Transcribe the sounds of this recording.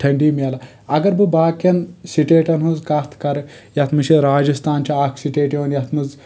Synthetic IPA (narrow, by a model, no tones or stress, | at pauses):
ʈʰɐɳɖiːmʲɐlɐ | ɐɡɐɾbɨbaːkjɐnsiʈeːʈɐnɦuzkat̪ʰkɐɾ | jɐt̪ʰmɨʃiɾaːd͡ʒɐst̪aːnt͡ʃʰiaːkʰsiʈeːʈjoːnjɐt̪ʰmɨz